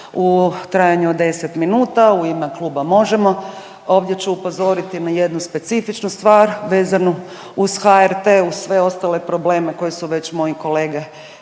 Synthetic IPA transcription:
ut̪ɾajaɲuod̪e̞set̪minuːt̪auimeklˠuːbamo̞ʒemo̞ | o̞ːʋd̪je̞t͡ɕuupo̞zo̞ɾit̪inajed̪nuspe̞t̪sifit͡ʃnust̪ʋaːɾʋe̞ːzanu | uzxaeɾt̪eːuzsʋe̞o̞st̪ale̞pɾo̞bleːme̞ko̞jesuʋe̞t͡ɕmo̞jiko̞le̞ːɡe

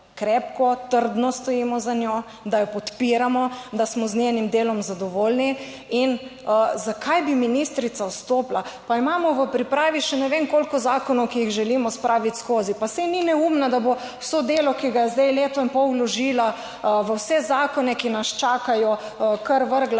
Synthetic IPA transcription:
kɾɛpkɔt̪əɾd̪nɔst̪ɔjiːmɔzano | d̪ajɔpɔt̪piːɾamɔd̪asmɔznʲenimd̪eːlɔmzad̪ɔʋoːlni | inəzakʰajbiminist̪ɾit̪sawst̪oːplapaimamɔʋəpɾipɾaːʋiʃɛnɛʋeŋkolkɔzaːkɔnɔwkijiɣʒɛlimɔspɾaːʋit̪ʲskozipasɛninɛumnad̪abo | wsod̪eːlɔkiɡajɛzd̪ɛjleːt̪ɔimpɔwlɔʒiːla | ʋəwsɛzaːkɔnɛkinast͡ʃaːkajɔ | kəɾʋəɾɡla

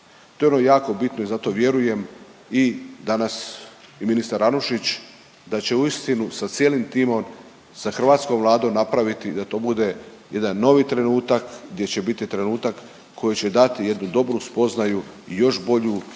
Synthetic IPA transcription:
t̪o̞eonojaːko̞bit̪no̞izat̪o̞ʋje̞ɾuje̞m | id̪anasiminist̪aɾanuʃit͡ɕ | d̪at͡ɕe̞uist̪inusat̪sjeːlimt̪iːmo̞m | saxr̩ʋaːt̪skomʋlˠaːd̪o̞mnapɾaʋit̪id̪at̪o̞ːbud̪e̞je̞d̪anːo̞ʋit̪ɾe̞nuːt̪akɡd̪je̞t͡ɕe̞bit̪it̪ɾe̞nuːt̪akː | o̞jit͡ɕe̞d̪at̪ije̞d̪nud̪o̞bɾuspo̞znajuijo̞ʃbo̞ʎu

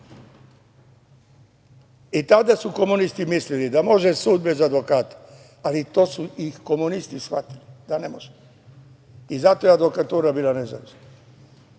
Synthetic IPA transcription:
it̪ad̪asuko̞munist̪imislilid̪amo̞ʒesuːd̪̚bezad̪ʋo̞kaːt̪ḁ | alit̪o̞ːsuixko̞munist̪isxʋa̰t̪ilid̪anemoʒe | izat̪ojead̪ʋo̞kat̪uːɾabiːlˠaneza̰ʋisna

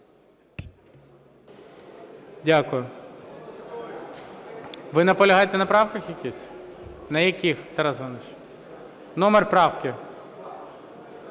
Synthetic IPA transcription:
dʲakʊjʊ | ʋɪnɐpɔlʲɐɦɑjɛt̪ɛnɐpɾɑwkɐxjɐkʲisʲnɐjɐkʲixt̪ɛɾazɦɔnɪt͡ʃ | nɔmɛrpɾɑwkʲɪ

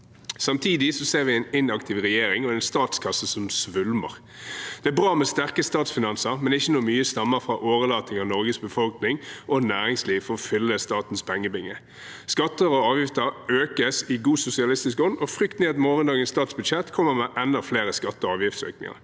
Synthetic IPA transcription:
sɑmt̪ʰiːd̪ɪsɔseːʁʋɪɛɪnɪnɑkt̪ʰɪʋʁɛjeːɾɪŋɔɛɪnst̪ɑːt̪skʰɑsːəsɔmsʋʉlmə̰ʁ | d̪̥ɛæbʁɑːmɛst̪æʁkəst̪ɑːt̪sfɪnɑnsəʁmɛnɛɪçːənuːmyːəst̪ɑmːəʁfʁɑʔoːʋəlɑːt̪nɪŋɑʁnɔʁɡəsbəfɔlknɪŋʔɔnæːʁɪŋsliːʋfɔʁɔfʏlːəst̪ɑːt̪n̩spʰɛŋːəbɪŋːə | skɑt̪ːəʁɔɑːʋjɪft̪əʁøːkəsɪɡuːsʊsɪɑlɪst̪ɪskɔnd̪ɔfʁʏkt̪neɑt̪mɔːʁənd̪ɑːɡənst̪ɑːt̪sbʉd̪ʃɛt̪ːkʰɔmːəʁmɛʔɛnːəfleːʁəskɑt̪ːəɔɑːʋjɪft̪sø̰ːknɪ̰ŋɑ̰ʁ

